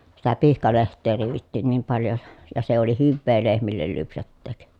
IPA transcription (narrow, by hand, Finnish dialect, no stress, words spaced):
sitæ pihkɑlehtˑeː riːʋitːiːn niːm pɑljo jɑ jɑ se oli hyʋːeː lehmilːel lypsætːeːk